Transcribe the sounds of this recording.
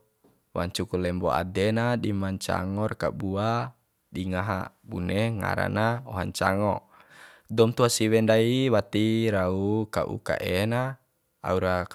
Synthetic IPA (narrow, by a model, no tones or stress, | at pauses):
wa̰ɲt͡ʃukulɛmbɔa̰dɛnadimaɲt͡ʃa̰ŋɔrkabua | diŋaɦa̰buneŋa̰ɾa̰naɔɦaɲt͡ʃaŋɔ | dɔmt̪uasiwɛndaiwat̪iɾaukaʔṵka̰ʔena | a̰uɾa